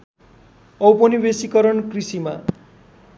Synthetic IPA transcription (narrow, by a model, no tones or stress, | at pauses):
ʌwpʌnibesikʌɾʌnkrisima